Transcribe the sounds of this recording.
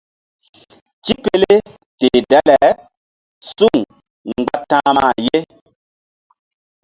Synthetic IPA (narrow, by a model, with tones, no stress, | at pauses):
t͡ʃi˦pe˦le˦ | te˨dɛ˦lɛ˨ | su˦˨ŋ | ŋ˨ɡ͡ba˦tã˦ma˦˨je˦